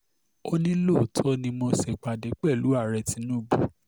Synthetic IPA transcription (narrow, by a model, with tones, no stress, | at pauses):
o˧nĩ˦lo˦˨tʰɔ˦nĩ˧mo˧sɛ˨k͡pa˨dɛ˨˦k͡pɛ˦˨lu˨˦a˦˨ɾɛ˧ti˧nũ˦˨bu˨